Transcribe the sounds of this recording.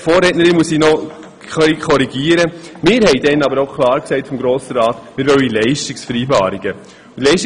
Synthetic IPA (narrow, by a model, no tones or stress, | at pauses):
foːɾɛtnəɾɪnmusinɔ | χœikʰɔɾiɡiːəɾəmɪːɾhɛɪdɛnɑbəɾoʊkʰlˠɑːɾksɛɪtfɔmɡɾoːsəɾɑːtmɪːɾʋœwilɛɪʃtiksfəɾiːbɑːɾiɡ̥ə | ʊtlɛɪʃti